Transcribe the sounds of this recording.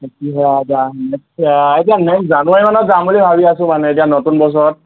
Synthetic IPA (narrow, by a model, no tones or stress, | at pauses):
etiɦazanesaetianɛkszanʊemanɔtzambulibʱabiasʊ̃manɛet̬ijanotunbɔs̬ɔɹɔt̚